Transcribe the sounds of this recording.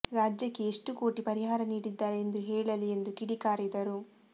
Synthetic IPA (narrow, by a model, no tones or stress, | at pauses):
ɾaːd͡ʒjɐkːeeʂʈuko̞ːʈipɐɾiɦaːɾɐniːɽid̪ːaːɾeend̪uɦɛːɭɐliend̪ukiɽikaːɾid̪ɐɾu